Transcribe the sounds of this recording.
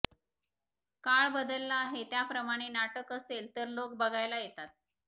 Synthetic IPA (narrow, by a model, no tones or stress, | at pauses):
kaɭbəd̪əlːaːɦet̪japɾəmaɽ̃enaʈəkəselt̪əɾlok̚bəɡʱajlajet̪at̪̚